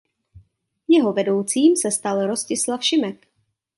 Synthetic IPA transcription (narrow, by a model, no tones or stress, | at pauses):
jɛɦo̞vɛdo̞wt͡siːmsɛst̪alɾo̞scɪslafʃɪmɛk